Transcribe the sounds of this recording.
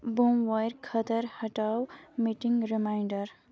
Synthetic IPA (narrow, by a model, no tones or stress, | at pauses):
bomwajɾkʰʌt̪əɾhʌʈawmiʈiŋɡɾimajɳɖəɾ